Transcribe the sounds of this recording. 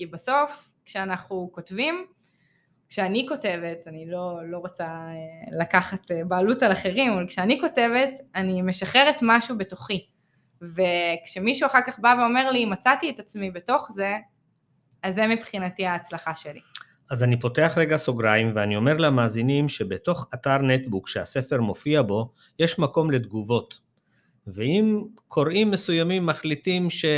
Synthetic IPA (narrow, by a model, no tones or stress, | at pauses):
kibaso̞f | kʃeanaχnuko̞tvim | kʃeaniko̞te̞ve̞tanilo̞lo̞ʁot͡saelakaχatebaːlutalaχe̞ʁimavalkʃeaniko̞te̞ve̞tanime̞ʃaχe̞ʁetmaʃube̞to̞χi | vekʃemiʃuaχaʁkaχbaveo̞me̞ʁlimat͡satietat͡smibe̞to̞χze̞ | azːemipχinatiaːt͡slaχaʃe̞li | ʔazanipo̞te̞aχʁeɡaso̞ɡʁaimveanio̞me̞ʁlamaːzinimʃe̞beto̞χataʁnetbukʃease̞fe̞ʁmo̞fiabo̞ | jeʃmako̞mle̞d̪ɡuvo̞t | veimkʰo̞ʁimːe̞sujamimːaχlitimʃe